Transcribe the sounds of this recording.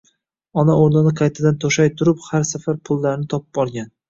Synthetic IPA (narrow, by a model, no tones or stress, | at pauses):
ɒnaoɾnɪnɪqʰɑjt̪ʰɪd̪ant̪ʰoʃajt̪ʰʊɾʊphaɾsafaɾpʰʊlˠːaɾnɪt̪ʰɒpʊ̥b̥bɒɾˠɡʲan